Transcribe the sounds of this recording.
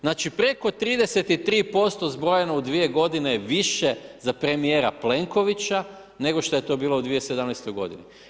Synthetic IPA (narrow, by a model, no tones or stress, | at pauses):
znaːt͡ʃipɾe̞ko̞t̪ɾiːd̪e̞set̪it̪ɾiːpo̞st̪ozbɾo̞jenaud̪ʋie̞ɡo̞d̪ineʋiʃe̞zapɾe̞mijeːɾaple̞ŋko̞ʋit͡ɕa | ne̞ɡo̞ʃt̪o̞je̞t̪o̞biːloud̪ʋije̞sed̪amnajst̪o̞jɡo̞̰d̪ini